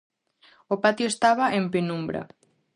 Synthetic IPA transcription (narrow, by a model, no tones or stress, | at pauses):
opat̪joest̪aβɐʔempinumbɾɐ̰